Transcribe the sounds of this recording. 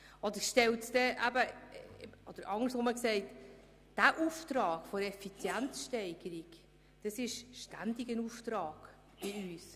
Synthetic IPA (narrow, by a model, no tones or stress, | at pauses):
ʔɔd̪əɾʃtɛltsd̥ɛʔæbə | ɔd̥əɾɑŋəɾsʋoməksɛɪt | d̥æʔuːft̪ɾɑːɡ̥fɔɾɛfit͡sjænt͡sʃtɛɪɡəɾiɡ | d̥ɑsɪʃʃtænd̥ɪɡənuftɾɑːɡ̥ | b̥ɪyːs